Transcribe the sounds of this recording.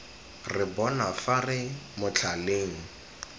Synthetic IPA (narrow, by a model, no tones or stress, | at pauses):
rɪbɔnafarɪmʊt͡ɬʰaleːŋ̩